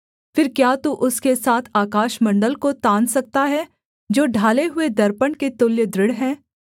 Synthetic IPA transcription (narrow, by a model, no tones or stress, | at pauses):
fɪɾkjaːt̪uʔʊskesaːt̪ʰaːkaːʃmɐ̃ɳɖəlkot̪ãːnsɐk̚t̪aɦɛ | d͡ʒoːɖʱaːleɦʊed̪ɐɾpəɳket̪ʊljəd̪ɾɪɽɦɛ̃ː